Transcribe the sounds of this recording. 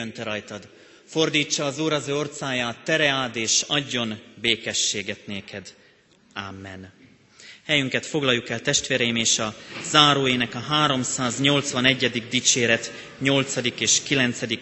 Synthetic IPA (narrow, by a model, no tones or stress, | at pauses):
ønt̪ɛɾɒjt̪ɒd̪ | fo̞rd̪iːt͡ʃːɒːzuːɾɒzøːo̞rt̪saːjaːt̪ːɛɾɛaːd̪eːʃɒɟːo̞nbeːkɛʃːeːɡɛt̪neːkʰɛd̪ | aːmːɛn | hɛjyŋkɛt̪fo̞ɡlɒjːukɛlt̪ɛʃt̪ʋeːɾɛjimeːʃɒzaːɾoːeːnɛkɒɦaːɾo̞msaːzɲo̞lt̪sʋɒnɛɟːɛd̪iɡ̚d̪iːt͡ʃeːɾɛt̪ | ɲo̞lt̪sɒd̪ikeːʃkilɛnt̪sɛd̪ik